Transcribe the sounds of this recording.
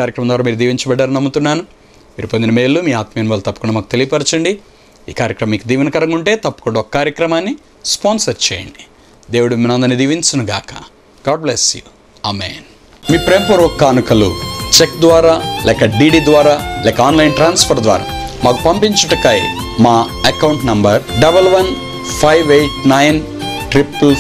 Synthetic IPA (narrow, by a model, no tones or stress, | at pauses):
kaːɾjɐkɾɐmɐnd̪ʋaɾaːmiːɾud̪iːʋiɲt͡ʃɐbɛɖːaːɾɐnɐmːut̪unːaːnu | miːɾupond̪inɐme̞ːlːumiːaːt̪mɐjɐniʋaːlɐt̪ɐpːɐkuɳɖɐmaːkut̪e̞lijɐpɐɾt͡ʃɐɳɖi | iːkaːɾjɐkɾɐmɐmiːkud̪iːʋɐnɐkɐɾɐŋuɳʈe̞ːt̪ɐpːukuɳɖɐɔkːɐ̥kaːɾjɐkɾɐmaːnːi | spoːnsɐɾt͡ʃɛ̰ːjɐ̰ɳɖi̥ | d̪e̞ːwuɽuminɐnd̪ɐnːid̪iːʋiɲt͡ʃɐnuɡa̰ːkɐ̥̰ | ɡ̥aːɖblesju | amḛːn | miːpɾeːmpɐɾɔkːaːnukɐlṵt͡ʃek̚d̪ʋaːɾaːlɛːkɐɖiːɖiːd̪ʋaːɾaːlɛːkɐaːnlɐjnʈɾaːnspʰɐɾd̪ʋa̰ːɾa̰ː | maːkupɐmpiɲt͡ʃɐʈɐkɐj | maː | ɐkɐwɳʈnɐmbɐɾɖɐbɐlʋɐn | pʰɐjʋejʈnɐjn | ʈɾipl